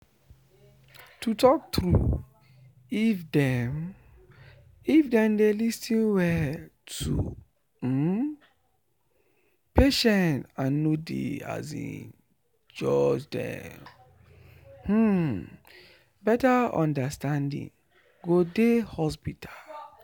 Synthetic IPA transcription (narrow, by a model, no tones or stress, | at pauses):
tutʰɔk̚t̪ɾu | ifdɛm | ifdɛ̃mdelistʰĩnwɛtʰṵ | peʃɛ̃ntãnːodḛa̰zḭ̃n | d͡ʒɔd͡ʒdɛ̰̃ | h̩ | bɛtaɔ̰̃ndastãndḭ̃ŋ | ɡodehɔspitʰḁl